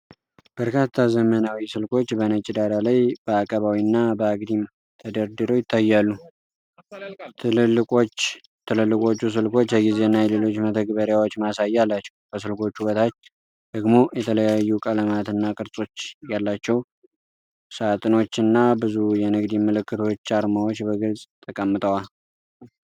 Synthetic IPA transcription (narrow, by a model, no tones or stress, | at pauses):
b̥əɾkʰat̪ʰːazəmənawisɨlkʰo̞t͡ʃːbənət͡ʃʼid̪aɾalajbəakʼəβawiɨnːabəaɡd̪im | t̪ʰəd̪əɾd̪ɨɾo̞jɪt̪ʰːajːalːu | t̪ʰɨlɨlːɨkʼo̞t͡ʃː | t̪ʰɨlɨlːɨkʼo̞t͡ʃːus̬ɨlko̞t͡ʃːəɡize̞ɨnːajɛle̞lo̞t͡ʃːmət̪ʰəɡbəɾjawo̞t͡ʃːmasajːalːat͡ʃːɛwbəs̬ɨlko̞t͡ʃːhuwət̪ʰat͡ʃː | d̪̥əɡmo̞jɛt̪ʰələjajːukʼələmat̪ɨnːakʼɨɾsʼo̞t͡ʃːjalːat͡ʃːɛw | sat̪ʼɨno̞t͡ʃːɨnːabɨzujɛnɨɡd̪iməlɨkːɨt̪ʰo̞t͡ʃːaɾmawot͡ʃːbəɡɨlsʼt̪ʰəkʼəmːɨt̪ʼəwal